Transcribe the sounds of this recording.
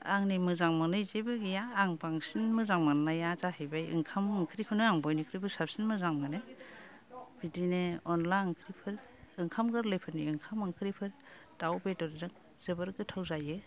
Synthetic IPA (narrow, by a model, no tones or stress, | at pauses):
a̰ŋnimɯzaŋmanɯzebɯɡijaːŋpaŋsinmɯzaŋmanːajazahɯjbajɯ̰ŋkʰamɯŋkʰɯɾikʰɯnɯaŋbɔjnikʰɯɾibʰɯsap̚sinmɯzaŋmɯnɯ | b̥idineɔnlaŋkʰɯɾipʰɯɾ | ɯŋkʰamɡɯɾlɯjpʰɯɾniɯŋkʰamɯŋkʰɯɾipʰɯɾ | d̥awbetɔɾdɯŋ | z̥ɯbɯɾɡɯtʰawzajɯ